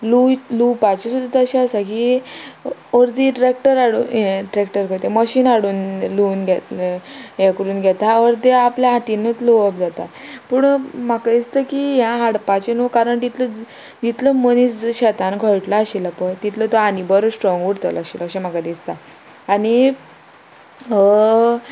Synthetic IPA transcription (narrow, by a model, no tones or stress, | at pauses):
lulupat͡ɕesud̪ʱat̪əɕeəsaki | əɾd̪iʈɾek̚ʈəɾaɽuːnẽʈɾek̚ʈəɾkət̪eməɕiːnaɽuːnluːnɡʱɛt̪lɦjakəɾuːnɡʱɛt̪aəɾt̪eapljaãt̪inət͡sloəp̚d͡zat̪a̰pəɳm̤akad̪ist̪əkijãaɽpat͡ɕenokaɾəɳd͡ʑ̪it̪ʰlə | d͡ʑit̪ləmənisɕɛt̪ãnɡʱəɭʈlaaɕilapəɾt̪it̪ʰlət̪oanibəɾsʈɾɔ̃ŋɡuɽt̪əlaɕiləɕem̤akad̪ist̪a | ani